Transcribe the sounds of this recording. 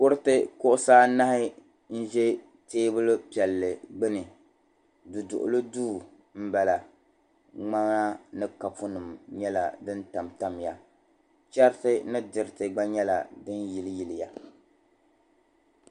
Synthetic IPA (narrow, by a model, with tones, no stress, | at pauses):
kʊ˦ɾɨ˦tɨ˦kʊ˦ʔʊ˦saː˦na˦hɪ˦ | n̩˦ʒɛ˦ | teː˦bɨ˦lɨ˦pi˨ɛ˨lːɨ˨ɡ͡bɨ˦nɨ˨ | du˨dʊ̰˨ʔʊ̰˨lɨ˦duː˦˨ | m̩˦ba˨la˨ | ŋ͡ma˦ŋa˦nɨ˦ka˨fʊ˦nɨ˨mɲɛ˦la̰˨dɨ˦nta˨mta˦m˨ja˨ | t͡ʃɛ˦ɾtɨ˦nɨ˦dɨ˨ɾɪ˨tɨ˨ɡ͡ba˦ɲɛ˦la̰˨dɨ˦nji˨lji˨lɪ˨ja˨